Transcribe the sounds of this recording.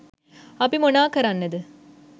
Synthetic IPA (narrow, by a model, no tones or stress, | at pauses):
ɐpːimʊnaːkɐɾɐnːɐðɯ